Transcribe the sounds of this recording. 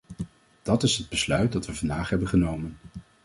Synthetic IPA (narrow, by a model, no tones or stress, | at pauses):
d̥ɑtɪsɦəd̚bəslœɥt̚dɑtʋəvɑndaːχɦɛbənχənowmən